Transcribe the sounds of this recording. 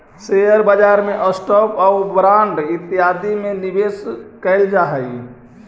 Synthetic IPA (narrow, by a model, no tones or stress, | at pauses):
sejəɾbəd͡ʒaɾmeʔəsʈɔpabɾaɳɖit̪iɦad̪imenibeskəɪld͡ʒaɦəj